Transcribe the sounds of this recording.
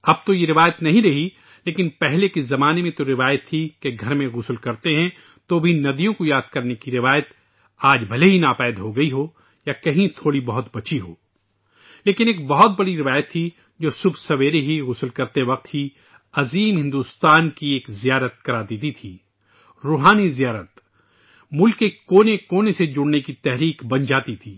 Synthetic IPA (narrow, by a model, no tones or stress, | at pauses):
ɐb̚t̪ojeɾɪʋaːjət̪nɐɦĩɾɐɦi | leːkɪnpɛɦlekezɐmaːnemẽt̪oɾɪʋaːjət̪ʰːikeɡʱɐɾmẽɣʊslkɐɾt̪eɦɛ̃ | t̪obʱinɐd̪ijõkojaːd̪̚kɐɾnekiɾɪʋaːjət̪ | aːd͡ʒbʱɐleɦinaːpɛːd̪ɦoɡɐiɦo | jakɐɦĩt̪ʰoːɽibɐɦʊt̪bɐt͡ʃiɦoː | leːkɪneːk̚bɐɦɔt̪̚bɐɽiɾɪʋaːjət̪ʰːi | d͡ʒoːsʊbʱsɐʋeːɾeɦiɣʊsəlkɐɾt̪eʋɐq̚t̪ɦi | ɐziːmɦɪ̃nd̪uːst̪aːnkieːkzijaːɾət̪̚kɐɾaːd̪iːt̪it̪ʰiː | ɾoːɦaːnizijaːɾət̪ | mʊlkːekoːnekoːnesed͡ʒʊɽnekit̪ɛɦɾiːkbɐ̃nd͡ʒaːt̪it̪ʰiː